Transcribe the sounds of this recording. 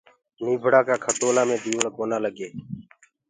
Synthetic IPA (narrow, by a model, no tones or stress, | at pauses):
niːbʱəɽaːkaːkʰəʈ̪oːlaːmẽːd̪iːʋəɳkoːnaːləɡeː